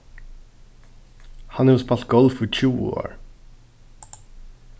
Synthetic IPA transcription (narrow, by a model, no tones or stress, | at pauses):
hɑnɛʊspɑlt̪̚ɡɔlfit͡ʃʰṵːo̰ːɹ